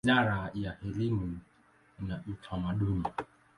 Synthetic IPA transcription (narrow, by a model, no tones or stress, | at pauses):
aɾajahɛlimu | naʔutʰamaɗuni